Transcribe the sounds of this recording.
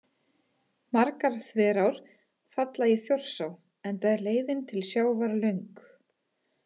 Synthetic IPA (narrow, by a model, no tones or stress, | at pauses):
maɾkaɾ̥θvɛːɾawɾ̥ | fat̪laɪθjor̥saw | ɛnt̪aɾleːjðɪnt̪ʰɪlsjaːwvaɾlʏŋk